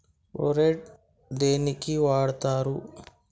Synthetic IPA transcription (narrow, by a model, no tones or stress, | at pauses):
oɾeʈ | d̪eːnikiʋaːɽt̪aːɾu